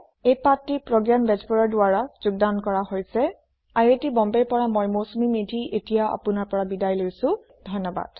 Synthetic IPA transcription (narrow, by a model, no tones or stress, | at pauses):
ejpatːipɹɔɡjanbɛd͡ʒbɔɹɔɹdʊaɹazʊɡ̚dankɔɹaɦojsɛ | ajetibɔmbeɹpɔɹamɔjmosumimidʱiʔetijaa̰pʊnaɹpɔɹabidajlojsʊ̃ | dʱɔjnːɔba̰d̥